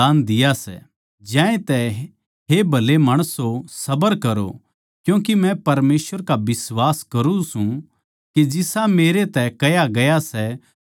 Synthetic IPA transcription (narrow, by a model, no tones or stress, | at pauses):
aːnd̪ɪjasɛ̰ | d͡ʒãːẽt̪ɛ | ɦebʱɐlemɐɽ̃əsosɐbəɾkɐɾo̰ | kjũːkimɛ̃pɐɾmeːsʋəɾkabɪswaːskɐɾũsũ | kid͡ʒɪsameːɾet̪ɛkɐjaɡɐjasɛ